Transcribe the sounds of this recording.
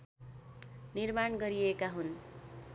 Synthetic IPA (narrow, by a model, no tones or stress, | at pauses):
nirmaɳɡʌɾiekaɦun